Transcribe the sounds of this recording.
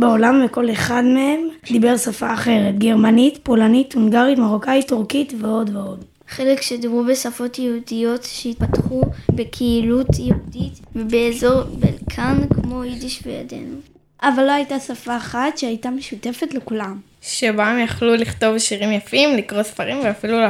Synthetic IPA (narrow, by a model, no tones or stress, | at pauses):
beolamveko̞leχad̪mee̞md̪ibeʁsafaːχe̞ʁetɡe̞ʁmanit̪po̞lanit̪huŋɡaʁitmaʁokajt̪uʁkit̪veo̞dveo̞d | χe̞lekʃedimʁubesafo̞tjehudijo̞tʃeit̚patχubekʰeilut̪jeuditvebeːzo̞ʁbḛlkʰankmo̞idiʃveja̰de̞̰nu | ʔavalːoajtasafaːχatʃeajtame̞ʃute̞fetle̞kulam | ʃebaemjaχluliχt̪o̞vʃiʁimjafimlikʁo̞sfaʁimveafilul